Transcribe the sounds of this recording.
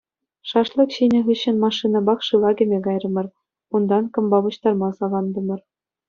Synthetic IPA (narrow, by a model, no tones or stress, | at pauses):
ʂɑʂlˠɤ̆kɕinʲɘ̆ɣɯɕːɘ̆nmɑʂːinɑbɑkʂɯlˠɑɡʲɘ̆mʲeɡɑjrɤ̆mɤ̆r | und̪ɑnkɤ̆mbɑbɤ̆ɕt̪ɑrmɑsɑlˠɑnd̪ɤ̆mɤ̆r